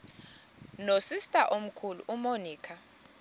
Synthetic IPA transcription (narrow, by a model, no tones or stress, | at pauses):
nosistʼaʔom̩kʰulṵʔumoniːkʰa